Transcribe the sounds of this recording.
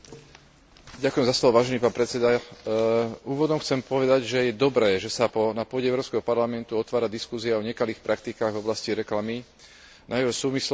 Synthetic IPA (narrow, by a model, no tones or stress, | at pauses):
ɟakujɛmzaslɔʋɔʋaːʒɛniːpaːnpɾɛt͡ssɛd̪a | uːʋɔd̪ɔmxt͡sɛmpɔʋɛd̪aɟʒɛjɛd̪ɔbɾɛːʒɛsapɔnapʊɔɟɛɛwʊɾɔːpskɛɦɔpaɾlamɛnt̪uɔt̪ʋaːɾad̪iskuziaɔɲɛkaliːxpɾʔakt̪ikaːɣvɔblasciɾɛklami | nʔajʋɛsuːmisl